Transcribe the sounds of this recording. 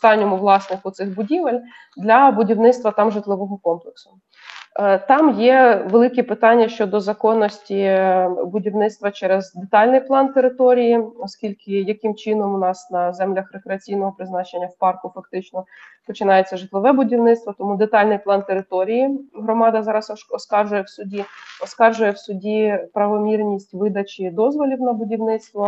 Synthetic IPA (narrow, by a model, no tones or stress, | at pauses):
st̪ɑnʲːɔmʊʋlˠɑsnɪxʊt̪sɪxbʊdʲiʋelʲ | d̪lʲɐbʊdʲiwnɪt̪st̪ʋɐt̪ɑmʒɪt̪lˠɪʋɔɦɔkɔmplˠeksʊ̥ | t̪ɑmjɛʋelˠɪkɛpɪt̪ɑnʲːɐʃt͡ʃɔd̪ɔzɐkɔnːɔsʲtʲibʊdʲiwnɪt̪st̪ʋɐt͡ʃɛɾezd̪et̪ɑlʲnɪjplˠɑnt̪eɾɪt̪ɔɾʲijiɔskʲilʲkɪjɐkɪmt͡ʃɪnɔmʊnɑsnɐzɛmlʲɐxɾekɾeɐt͡sʲijnɔɦɔpɾɪznɑt͡ʃenʲːɐwpɑrkʊfɐk̚t̪ɪt͡ʃnɔpɔt͡ʃɪnɑjet͡sʲːɐʒɪt̪lˠɔʋɛbʊdʲiwnɪt̪st̪ʋɔt̪ɔmud̪et̪ɑlʲnɪjplˠɑnt̪eɾɪt̪ɔɾʲijiɦɾɔmɑd̪ɐzɑɾɐsɔskɑrʒʊjɛwsʊdʲiɔskɑrʒʊjɛwsʊdʲipɾɐʋɔmʲirnʲisʲtʲʋɪd̪ɐt͡ʃʲid̪ɔzʋɔlʲiwnɐbʊdʲiwnɪt̪st̪ʋɔ